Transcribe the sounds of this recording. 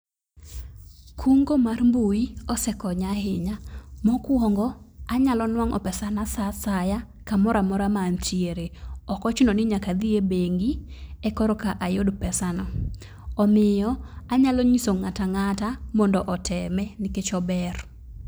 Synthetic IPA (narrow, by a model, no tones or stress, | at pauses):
kʰuŋɡomarmbuiɔsɛkɔɲahɪɲamɔkwɔŋɡɔaɲalɔnwaŋɔ̰pɛsanasasaja | kamɔɾamɔɾamantieɾeɔkɔt͡ʃɪnɔnɪɲakad̪ɪebeŋɡiɛkɔɾɔkaʔajodpɛsanɔ | ɔmɪjɔaɲalɔɲisoŋataŋatamɔndɔʔɔtʰɛmɛnɪket͡ʃɔbɛr